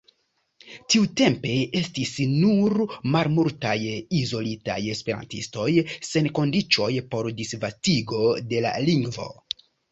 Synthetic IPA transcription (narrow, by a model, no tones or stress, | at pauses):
tiute̞mpe̞e̞stisnuɾmaɾmultajizo̞lita̰je̞spe̞ɾa̰ntḭsto̞jse̞nko̞ndit͡ʃo̞jpo̞ɾdisvastiɡo̞de̞la̰liŋɡvo̞̰